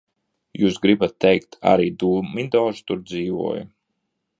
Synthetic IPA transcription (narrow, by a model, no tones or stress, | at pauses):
juːsɡɾibat̪ːɛjkt̪ʰa̰ɾiːd̪uːmid̪ɔːʒu̥t̪uɾd̪ziːvṵɔːjṵ